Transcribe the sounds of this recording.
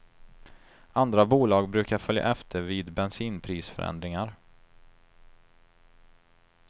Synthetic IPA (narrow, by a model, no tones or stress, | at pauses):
and̪ɾabuːlɑːɡbɾʉ̟ːkaɾfœlja̰ʔɛft̪ʰəviːd̪bɛnsiːnpʰɾiːsfœ̰ɾʔɛ̰nd̪ɾɪŋaɾ